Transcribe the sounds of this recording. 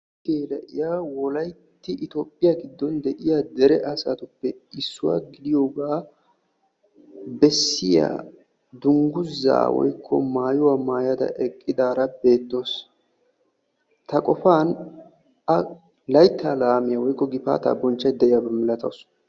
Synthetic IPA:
ɡeːlɐʔɪjaːwɔlɐjt̪ːɪʔɪt̪oːpʼːɪjaɡɪd̪ːɔnd̪ɛʔɪjad̪ɛɾɛʔɐsat̪ʊpːɛɪsːʊwa̰ːɡɪd̪ɪjoːɡaː | bɛsːɪja̰ː | d̪ʊŋɡʊzːa̰ːwɔ̰jkʰːɔ̰maːjʊwamaːjɐd̪ɐ̰ʔɛkʼːɪd̪aːɾɐbe̞ːt̪ːo̞ːs | t̪ɐkʼɔfaːn | ʔɐ | lɐjt̪ʰːaːlaːmɪjɐwɔjkːɔɡɪpa̰ːt̪ɐ̰bɔnt͡ʃːɐjd̪ɛʔɪjabɛmɪlɐt̪ɐ̰ws

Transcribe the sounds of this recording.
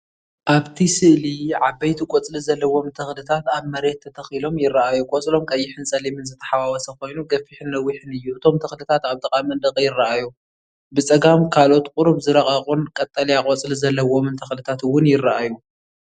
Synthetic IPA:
ʔaβt̪ʰisɨʔliʕabɐjt̪ʰikʼot͡sʼlizɐlːɐwo̞mt̪ʰɐxlɨt̪ʰat̪aβmɐɾe̞t̪ʰːɐt̪ʰɐxilo̞mjɪrːɐʔajukʼot͡sʼlo̞mkʼɐjːɪħɨnsʼɐlimɨnzɨt̪ʰɐ̥ħawawɐsɐko̞jnuɡɐfːiħɨnlɐwːiħɨnɨjːuɨt̪ʰo̞mt̪ʰɐxlɨt̪ʰat̪aβt̪ʰʼɐkʼamɐnd̪ɐqʼjɪrːɐʔaju | bɨt͡sʼɐɡamkʰalo̞t̪kʼʊɾuβzɨɾɐχʼɐχʼunkʼɐt̪ʼːɐlijakʼot͡sʼlizɐlːɐwo̞mɨnt̪ʰɐxlɨt̪ʰat̪wːʊnjɪraʔaju

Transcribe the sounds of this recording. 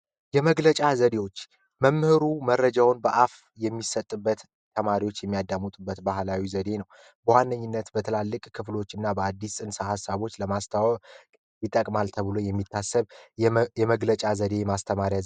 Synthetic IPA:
jɛməɡlət͡ʃʼazəd̪ewo̞t͡ʃː | məmːhɨɾumərːəd͡ʒawnbəʔaf | jɛmːisət̪ʼːɨbːət̪ | t̪ʰːəmaɾiwo̞t͡ʃːjɛmːijad̪amut̪ʼubːət̪baɦlawizəd̪e̞nəw | bəwanːəɲːɪnːət̪bət̪ʰɨlalːɨkʼkʰɨflo̞t͡ʃːɨnːabəad̪ːisʼɨnsahasːaβo̞t͡ʃːləmast̪ʰaw | jit̪ʼːəkʼmalt̪ʰəβɨlojɛmːit̪ʰːasːəβjɛməɡlət͡ʃʼazəd̪e̞jɛmast̪ʰəmaɾja

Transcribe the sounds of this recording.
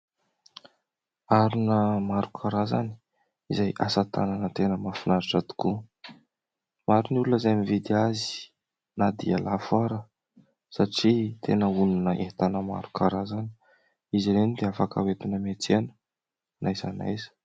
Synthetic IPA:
aɾinəmaɾukʰaɾazani̥ | izajʔasat̪ʰa̰nanət̪enəmafinaɾaʈ͡ʂat̪u̥ku | maɾinulunəzajmivid̪iazi̥ | nad̪ia̰lafaɾə | saʈ͡ʂit̪ʰenəununəʔet̪anəma̰ɾukʰaɾazani̥ | iziɾenid̪eafaka̰wet̪inəmet͡senə̥ | nʔajzana̰jzə̥

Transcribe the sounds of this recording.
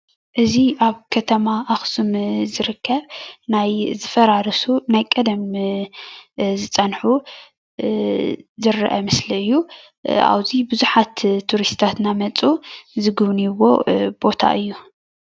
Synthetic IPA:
ʔɨziʔaβkʰɐt̪ʰɐmaʔːxsumzɨɾɨkːɐβnajzɨfɐɾaɾɐsunajkʼɐd̪ɐm | zɨt͡sʼɐnħu | zɨɾʔɐ̰mɨsliɨjːu | ʔa̰wzibɨzuħat̪ʰːuɾist̪t̪ʰat̪namɐt͡sʼuzɨɡɨβniβo̞̰b̥o̞t̪ʰa̰ʔɨjːu

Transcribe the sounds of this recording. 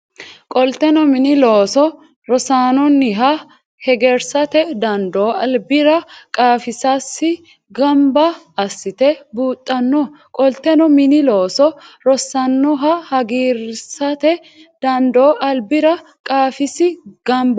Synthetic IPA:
kʼɔlt̪ɛnɔmɪnɪloːsɔ | ɾɔsaːnɔnːɪɦɐ | hɛɡɛɾsɐt̪ɛd̪ɐnd̪oːɐlbɪɾɐkʼaːfɪsasːɪ | ɡɐmbɐ | ɐsːɪt̪ɛbuːt̪ʼːɐnːɔ | kʼɔlt̪ːɛnɔmɪnɪloːsɔɾɔsɐnːɔɦɐhɐɡiːɾsɐt̪ɛ | d̪̥ɐnd̪oːʔɐlbɪɾɐ | kʼaːfɪsɪɡ̥ɐmbɐ

